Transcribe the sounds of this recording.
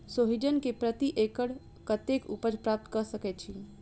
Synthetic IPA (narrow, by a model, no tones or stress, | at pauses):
soɦid͡ʒənkepɾət̪iʔekəɽ | kət̪ekṵpəɾpɾap̚t̪kəɾsəkɛt̪̚t͡ʃʰi